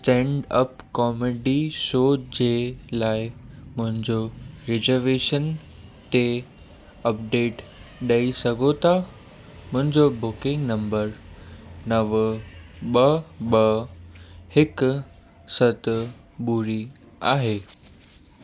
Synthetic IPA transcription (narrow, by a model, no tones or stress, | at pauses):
sʈɛ̃ːɳɖə̰pkɔːmeɖiʃoːd͡ʑeːlaːɪmʊ̃ɦɪ̃ɲd͡ʑoɾɪzəɾʋeːʃən | t̪e | ɐp̚ɖeːʈɗɐisɐɡʱot̪ʰa | mʊ̃ɦɪ̃ɲd͡ʑobʊkɪ̃ŋɡnɐ̃mbəɾ | nɐʋ | ɓɐɓɐ | hɪk | sɐt̪ | buːɾi | aːɦeː